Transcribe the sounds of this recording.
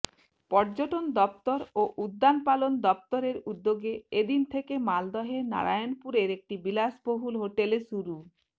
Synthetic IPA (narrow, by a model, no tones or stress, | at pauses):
pɔɾd͡ʑoʈond̪ɔp̚t̪oɾoʔud̪ːanpalond̪ɔp̚t̪oɾeɾud̪ːoɡeed̪int̪ʰekemald̪ɔɦena̰ɾa̰jonpuɾeɾek̚ʈibilaʃboɦulɦoʈeleʃuɾu